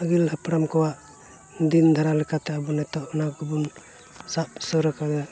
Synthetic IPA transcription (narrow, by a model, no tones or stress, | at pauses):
əɡilɦapɾamkɔwaʔ | d̪ind̪ʱaɾalɛkʰat̪ɛabunɛt̪ɔʔɔnaɡubum | saʔsɔɾəkaɾd̪a